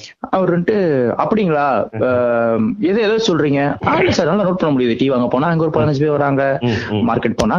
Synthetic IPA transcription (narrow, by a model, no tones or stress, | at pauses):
ɐʋɐɾɳʈɯɐpːɐɽɪŋɡɐɭaː | ɛðɐɛðaːɯsɔlɾiːŋɡɐaːnasaːɾnaːlːanoːʈ̚pɐɳːɐmʊɽɪjɐðɯʈiːʋaːŋɡɐpoːnaːɛŋɡɐɔɾɯpɐlɐnɐd͡ʒpeːʋɐɾaːŋɡɐmaːɾkɛʈ̚poːnːaː